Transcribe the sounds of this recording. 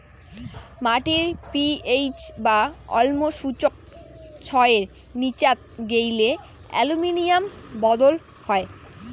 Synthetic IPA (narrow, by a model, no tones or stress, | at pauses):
maʈiɾpiejt͡ɕbaɔ̰lmoʃut͡ɕok̚ | t͡ɕʰɔeeɾ | nit͡ɕat̪̚ɡejle | ɛ̰luminijambɔd̪ol | hɔe